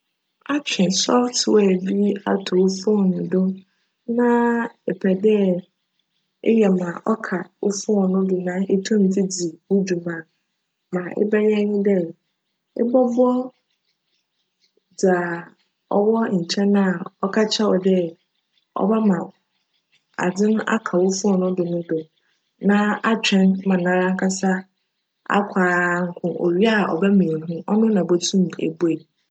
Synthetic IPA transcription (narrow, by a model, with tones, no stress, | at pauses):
a˦t͡ɕᶣʰɪ̃˨sɔ˦ftwɛ˨bi˦a̰˦tʰʊ˨o˦fʊ˦˨nʊ̃˨do˦ | nã˦ɛ˨pʰɛ˨dɛ˦ | ḛ˦jɛ˨mã˨ʔɔ˦kʰa˨o˦fʊ˦˨nʊ̃˦dʊ˨nã˦ʔe˦tʰʊ̃˦n̩˨tʰi˦di˨wu˦d͡ʑu˨mã˨ | mã˨ʔɪ̰˦bɛ˦ɲɛ̃˦ɲʊ̃˦dɛ˦ | ɪ̰˦bɔ˦bɔ˦ | d͡za˨ | ɔ̰˦bɔ˦ɲ̩˨t͡ɕʰɛ̃˦nã˦˨ɔ˦kʰa˦t͡ɕʰa˦ɔ˨dɛ˦ | ɔ̰˦ba˦mã˨ | a̰˨d͡zɪ̃˦na̰˦kʰa˨wʊ˦fʊ˦ɔ˦˨nʊ̃˦dʊ˨nʊ̃˦dʊ˨ | nã˦a˦t͡ɕᶣɛ̃˦nmã˨nã˦ɾã˦ŋ̩˦kʰa˦sa˦ | a̰˦kʷʰaː˨˦ŋ̩˦kʰʊ̃˨o̰˨ɥi˦a˦ɔ̰˨bɛ˦mĩ˨ɦʊ̃˦ʔɔ˦nʊ̃˦nã˨bɔ˦tʰũ˦m˨ḛ˨be˨